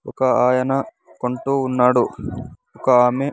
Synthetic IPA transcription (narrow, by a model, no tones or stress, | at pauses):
ɔkɐaːjɐnɐ | koɳʈuːnːaːɽu | ɔkɐaːme